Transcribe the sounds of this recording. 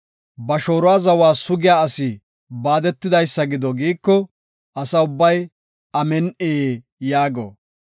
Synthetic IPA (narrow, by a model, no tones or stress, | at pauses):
bɐʃo̞ːɾʊwaːzɐwaːsʊɡɪjaːɐsi | baːd̪ɛt̪ːɪd̪ɐjsːɐɡɪd̪ɔɡiːkːɔ | ɐsɐʊbːɐj | ɐmɛnʔe | jaːɡo̰